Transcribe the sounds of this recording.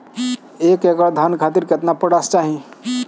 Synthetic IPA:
ekeɡəɾd̪ʱankʰat̪iɾket̪napəɽast͡ʃaɦĩ

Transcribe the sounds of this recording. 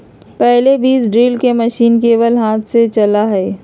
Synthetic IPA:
pɛɦlebiːsɖɾiːlkemɐʃiːnkeːwəlɦaːt̪ʰset͡ʃɐlaɦɛː

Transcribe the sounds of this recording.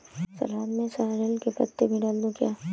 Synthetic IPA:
sɐ̰laːd̪mẽsaɦɾelkepɐ̰t̪ːebʱiɖaːld̪okjaː

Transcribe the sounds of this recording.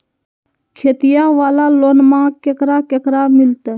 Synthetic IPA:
kʰeːt̪ijaʋaːlaloːnmãkekɾakekɾamɪlt̪ɛ

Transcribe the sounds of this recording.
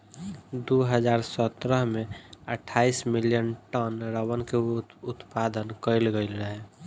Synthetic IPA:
d̪oɦəd͡ʒaːɾsət̪ɾəɦmẽəʈʰaːismɪljənʈənɾəwənkeʊt̪pad̪ənkəɪlɡəɪləɦɛ

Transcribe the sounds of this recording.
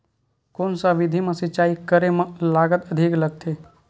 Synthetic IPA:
koːnsaʋɪd̪ʱimẽsɪt͡ʃaːikəɾemalaːɡət̪əd̪ʱikləɡ̚t̪ʰeː

